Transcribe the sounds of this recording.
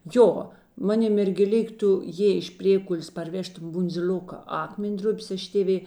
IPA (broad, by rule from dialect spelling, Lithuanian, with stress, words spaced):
ˈjoː ˈmɑːˌnʲɪ mʲɛrʲɡʲeːˈlʲɪk ˈtʊ ˈjeːɪ eːʃ ˈpʲrʲeːkʊlʲeːs pɐrʲˈʋʲæːʃtʊm bʊnʲd͡zʲɪˈlʲoːkɐ ˈɑːkmʲɛnʲˌdrʊpʲeːs ˈɐʃ tʲeːˈʋʲeː